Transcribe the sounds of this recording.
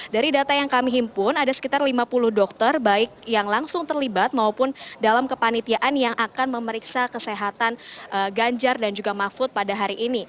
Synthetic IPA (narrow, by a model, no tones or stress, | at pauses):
daɾidat̪ajaŋkamiɦimpʊnadasə̥kit̪arlimapulʊhdɔk̚t̪ərbaɪk̚jaŋlaŋsʊŋt̪ərlibat̪̚maupʊndalamkəpanit̪iaʔanjaŋʔakanməməɾiksakəseɦat̪anʔəɡaɲd͡ʒardand͡ʒuɡamafʊt̪̚padaɦaɾiʔːni